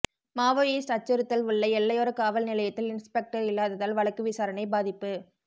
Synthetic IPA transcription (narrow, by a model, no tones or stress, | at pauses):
maːʋoːiːsʈɐt͡ʃːɐɾɯt̪ːɐlʊɭːɐɛlːɐjoːɾɐkaːʋɐlnɪlɐjɐt̪ːɪlɪnspɛk̚ʈɐɾɪlːaːðɐðaːlʋɐɭɐkːɯʋɪsaːɾɐnɐɪbaːðɪpːɯ